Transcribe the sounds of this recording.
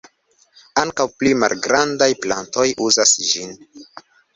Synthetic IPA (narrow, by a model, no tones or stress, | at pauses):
aŋkawplima̰lɡɾandajpla̰nto̞juzasd͡ʒin